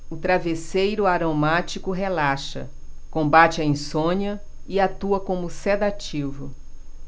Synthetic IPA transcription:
ʊt̪ɾavesejɾʊaɾomat͡ʃikʊɦelaʃɐ̰ | kõmbat͡ʃɪɐĩsõɲɐ | ɪat̪uɐkõmʊsɛd̪at͡ʃivʊ

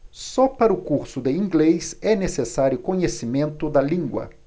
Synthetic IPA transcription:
sɔpaɾʊkuɾsʊd̪ɪĩŋɡlejsɛnesesaɾjʊkõɲesimẽnt̪ʊd̪ɐlĩŋɡwɐ̰

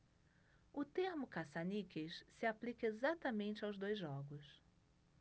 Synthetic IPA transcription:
ʊt̪ehmʊkasanikeʃsɪaplikɐezat̪ɐmẽnt͡ʃɪawzd̪ojzʒɔɡʊs

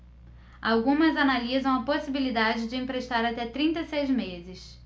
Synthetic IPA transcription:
awɡũmɐzanalizɐ̃w̃ɐposibilid̪ad͡ʒɪd͡ʒɪẽpɾeʃt̪aɾat̪ɛt̪ɾĩnt̪ɐsejzmezɪs

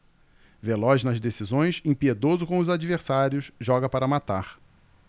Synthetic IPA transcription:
velɔʒnɐzd̪esizõj̃sẽpied̪ozʊkõʊzad͡ʒiveɾsaɾjʊsʒɔɡɐpaɾɐmat̪aχ

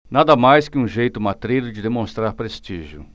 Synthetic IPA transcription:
nad̪ɐmajskɪũʒejt̪ʊmat̪ɾejɾʊd͡ʒɪd̪emõst̪ɾaɾpɾest͡ʃiʒjʊ̰

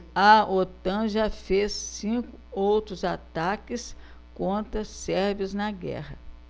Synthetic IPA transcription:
ɐot̪ɐ̃ʒɐfesːĩkʊowt̪ɾʊzat̪akɪs | kõnt̪ɾɐsɛɾviʊznɐɡɛ̰hɐ

